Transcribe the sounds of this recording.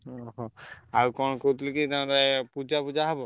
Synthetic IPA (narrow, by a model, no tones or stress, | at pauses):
ɔɦɔ̃aukɔnkot̪likit̪adapud͡ʒapud͡ʒaɦɔbɔ